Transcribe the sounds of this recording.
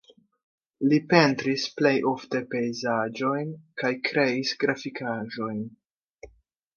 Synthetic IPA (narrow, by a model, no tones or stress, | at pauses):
lipe̞ntɾisple̞jʔo̞fte̞pe̞jzad͡ʒo̞jnkajkɾe̞isɡɾafikʰaʒo̞jn